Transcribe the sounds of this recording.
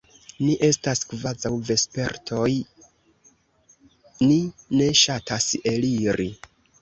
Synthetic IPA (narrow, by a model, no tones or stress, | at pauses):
niʔe̞staskvazawve̞spe̞ɾtʰo̞j | nine̞ʃataseliɾi